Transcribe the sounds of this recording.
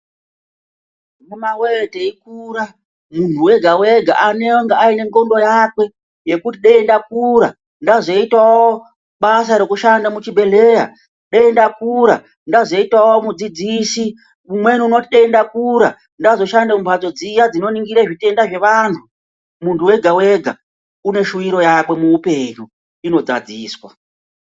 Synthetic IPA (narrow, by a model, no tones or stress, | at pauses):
nemaweteik̚ura | muntuwe̞ɡʱawe̞ɡʱa̰ʔanewoŋɡaːine̞ŋɡondo̞jakwe̞ | je̞kutiɗaendak̚uɾa | ndazo̞itwawo | ɓas̬aɾe̞kuʃandamut͡ʃibʱe̞le̞ːɾa̰ | ɗeendakuɾa | ndazo̞itwawomud͡zid͡zisi | umwe̞nuno̞tiɗeendakuɾa | ndazo̞ʃandamumbad͡zo̞d͡zijad͡zino̞niŋɡiɾaʐite̞ndaʐe̞ʋaːntʰu | muntʰuwe̞ɡʱawe̞ɡʱa | une̞ʃuiɾo̞jakwe̞muupe̞ɲu | ino̞d͡za̰d͡ziːswa